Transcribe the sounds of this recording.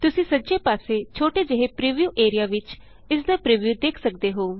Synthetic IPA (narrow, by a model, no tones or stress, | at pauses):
t̪ʊsĩːsəːd͡ʒeːpaːseːt͡ʃʰoːʈeːd͡ʒeɦeːpɾiːʋjuːʔeːɾijaːʋɪt͡ʃ | ɪsd̪aːpɾiːʋjuːd̪eːkʰsək̚d̪eːɦoː